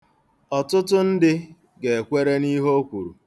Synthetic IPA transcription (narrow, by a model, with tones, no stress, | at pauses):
ɔ˨tʊ˦tʊ˦n̩˦dɪ˦ | ɡe˨e˨kʷe˦ɾe˦ni˦ɦo˦kʷu˨ɾṵ˨